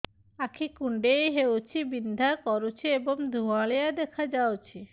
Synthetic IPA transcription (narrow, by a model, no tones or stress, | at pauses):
akʰikuɳɖejɦewt͡ɕʰibind̪ʱakɔɾut͡ɕʰieboŋd̪ʱuaɭejad̪ɛkʰad͡ʑawt͡ɕʰi